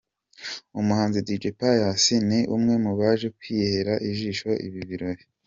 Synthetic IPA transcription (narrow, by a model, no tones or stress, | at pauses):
umuhaːnzidid͡ʒipajasiniʔumŋe̞muβaːʒe̞kwiːhe̞ɾaʔiʒiːʃoʔḭβiβiɾo̞ɾe